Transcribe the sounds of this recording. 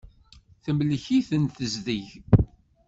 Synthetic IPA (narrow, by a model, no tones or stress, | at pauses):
θəmləçiθənθəzðiʝ